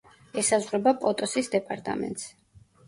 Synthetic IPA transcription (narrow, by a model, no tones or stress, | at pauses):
ɛsazʁɾɛbapʼɔt̪ʼɔsisd̪ɛpʼaɾt̪ʼa̰mɛ̰nt̪ʼs